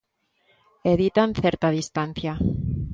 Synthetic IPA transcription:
eðit̪anθeɾt̪aðist̪anθja

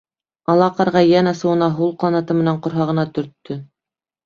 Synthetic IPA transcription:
ɑlˠɑqɑɾʁɑjænɑsɤ̆wɤ̆nɑɦulˠqlˠɑnɑt̪ɤmɘ̆næɴqŏɾɦɑʁɤ̆nɑt̪ɵ̆ɾt̪ːɵ

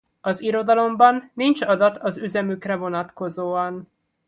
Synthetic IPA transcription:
ɒziɾo̞d̪ɒlo̞mbɒnːint͡ʃɒd̪ɒt̪ɒzyzɛmykrɛvo̞nɒt̪ko̞zoːɒn

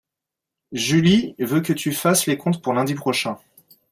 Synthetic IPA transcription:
ʒylivøkət̪yfaslekɔ̃t̪puʁlɛ̃d̪ipχɔʃɛ̃

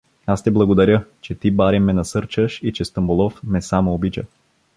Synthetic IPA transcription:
ast̪ɛblˠɐɡod̪ɐɾʲət͡ʃɛt̪ibaɾɛmːɛnɐsɤɾt͡ʃəʃit͡ʃɛst̪əmbʊlˠɔfmɛsamoobit͡ʃə̰

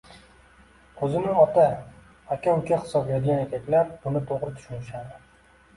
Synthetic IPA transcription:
ɵzɪnɪɒt̪a | akʲʰaʊkʲaχɪ̥sɒblad̪ɪɡʲanekʲʰakʲlaɾb̥ʊnɪt̪ʰoʁɾɪt̪ʰʊ̥ʃʊnɪʃad̪ɪ

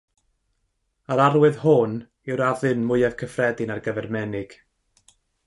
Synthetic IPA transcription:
aɾarwɨðhʊn | ɪwɾaðɨnmʊɨɛv̥kʰəfrɛdɨnarɡəvɛrmɛnɪɡ̥

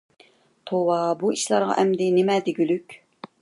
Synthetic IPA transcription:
t̪ʰowɑbuiʃlˠɑɾʁɑ̰ʔɛmd̪ɪnɪmɛd̪ɪɡʲylykʲ

